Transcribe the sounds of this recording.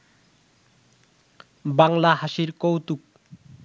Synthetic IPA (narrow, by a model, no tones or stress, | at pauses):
baŋlaɦaʃiɾkowt̪uk̚